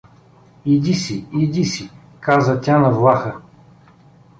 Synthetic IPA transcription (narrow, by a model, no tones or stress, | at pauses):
id̪isiid̪isi | kazət̪ʲanɐvlˠaxə